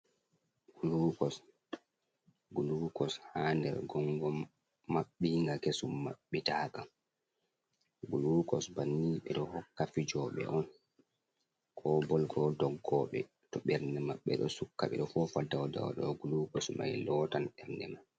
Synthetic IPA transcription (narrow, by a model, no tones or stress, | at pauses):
ɡ̥ulukɔs | ɡulukɔshaːndɛ̰ɾɡɔŋɡɔmː | aɓːiŋɡakesumːa̰ɓːitaːkam | ɡulukɔsbanːiːɓɛ̰ɗɔhɔkːafid͡ʒɔːɓɛ̰ʔɔn | kʰɔbɔlɡɔdɔɡːɔɓɛ | tɔɓɛɾnɛmaɓːɛɗɔ̰sukːaɓɛ̰ɗɔfɔːfadawada̰wa̰ɗɔ̰ɡulukɔsma̰jlɔːtanɓɛɾnɛ̰man